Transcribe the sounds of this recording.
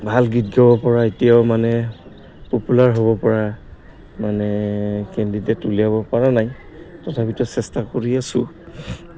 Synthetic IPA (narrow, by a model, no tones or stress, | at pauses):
bʱalɡitɡabɔpɔɹaetijawmanɛ | populaɹɦoβɔpɔɹa | manɛkendidɛtuliabɔpaɹanaj | tɔtʰapitɔsɛstakoɹiasʊ